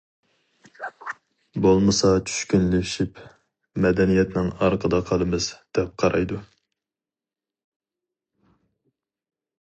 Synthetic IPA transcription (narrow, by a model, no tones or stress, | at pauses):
bolˠmɨsɑt͡ʃʰy̥ʃkʲynlɪʃip | mɛd̪ɛnijɛt̪nɪŋɑɾqʰəd̪ɑqʰɑlˠɨmɨzd̪̥ɛp̚qʰɑɾɑjd̪u